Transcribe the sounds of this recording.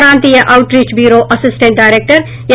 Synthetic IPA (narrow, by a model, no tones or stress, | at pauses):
ɾãːnt̪ijeʔaʊʈɾiːt͡ʃbjuːɾoʔɐsɪsʈẽɳʈ̚ɖaːɪɾeːk̚ʈəɾ | j